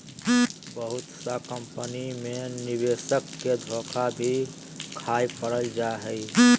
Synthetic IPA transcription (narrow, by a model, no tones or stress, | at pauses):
bəɦʊt̪sakəmpənimẽniweːʃəkːed̪ʱoːkʰabʱi | kʰaːipəɾəld͡ʒaɦəi